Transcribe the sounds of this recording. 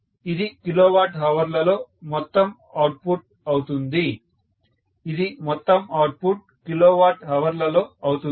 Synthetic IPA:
id̪ikiloːʋaːʈɦɐʋɐɾlɐlo̞ːmɔt̪ːɐm | aːʈ̚puʈ̚ | ɐwut̪und̪i | id̪imɔt̪ːɐmaːʈ̚puʈ̚kiloːʋaːʈɦɐʋɐɾlɐlo̞ːɐwut̪u

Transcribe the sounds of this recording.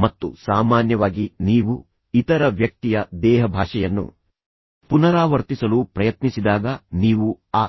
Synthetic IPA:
mɐt̪ːṵsaːmaːnjɐʋaːɡiniːʋu | it̪ɐɾɐʋjɐk̚t̪ijɐd̪ɛːɦɐbʱaːʂɐjɐnːṵ | punɐɾaːʋɐɾt̪isɐlupɾɐjɐt̪nisid̪aːɡɐniːʋuaː

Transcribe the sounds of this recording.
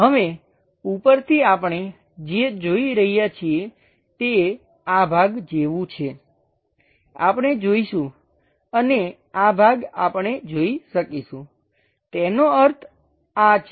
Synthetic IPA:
ɦəʋe | upəɾt̪ʰiapəɳ̃e | d͡ʒed͡ʒoiɾəɦijat͡ʃʰie | t̪e | abʱaɡd͡ʒeʋũt͡ʃʰe | a̰pɳ̃ed͡ʒoiʃũ | əne | abʱaɡa̰pəɳed͡ʒoiʃəkiʃũ | t̪enoəɾt̪ʰ | at͡ʃʰ

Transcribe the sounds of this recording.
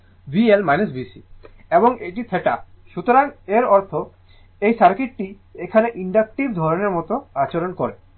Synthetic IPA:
bielmajnes̬bisi | eboŋeʈit̪ʰeʈa | ʃut̪oɾaŋeɾɔɾt̪ʰo | ejsaɾkiʈ̚ʈi | ekʰaneʔiɳɖak̚ʈiɾd̪ʱɔɾoneɾmɔt̪oat͡ɕeɾonkoɾe

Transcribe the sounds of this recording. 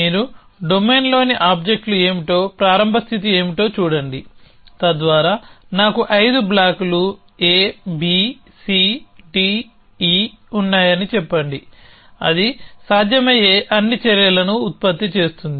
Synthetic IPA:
iːɾu | ɖo̞me̞ːnlo̞ːniʔaːb̚d͡ʒek̚ʈlue̞ːmiʈo̞ːpɾaːɾɐmbʱɐst̪ʰit̪ie̞ːmiʈo̞ːt͡ʃuːɽɐɳɖi | t̪ɐd̪ʋaːɾaːnaːkuʔɐjd̪ublaːkulu | eːbi | siːɖi | ɖi | unːaːjɐnit͡ʃɛpːɐɳɖi | ɐ̰d̪isaːd̪ʱjɐmɐje̞ːʔɐnːit͡ʃɐɾjɐlɐnuːt̪̚pɐt̪ːit͡ʃe̞ːst̪und̪i

